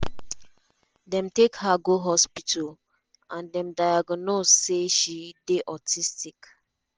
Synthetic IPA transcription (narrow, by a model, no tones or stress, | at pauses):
dɛ̃mtekhaɡoɦɔspitʰal | ãndɛ̃mdajaɡnosːeʃideʔɔtʰistik